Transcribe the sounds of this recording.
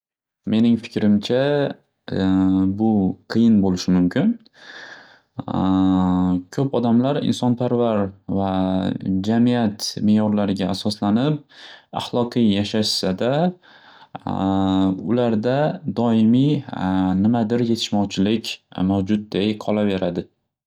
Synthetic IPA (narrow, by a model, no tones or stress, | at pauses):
me̞nɪŋfɪ̥kʲɾɪmt͡ʃʰa | bʊqʰɨjɪnbolɪʃɪmʊmkʲʰɪn | kʰɵpɒd̪amlaɾɪ̰nsɒnpʰaɾvaɾva | d͡ʒamijat̪meːjɒɾlaɾɪɡʲaːsɒslanɪp̚a̰χlˠɒqɨjjaʃaʃsad̪a | ʊlaɾd̪ad̪ɒɪmi | nɪmad̪ɪɾje̞t̪ʰɪ̥ʃmɒwt͡ʃʰɪlɪkʲmawd͡ʒʊt̪̚d̪ejqʰɒlˠave̞ɾad̪ɪ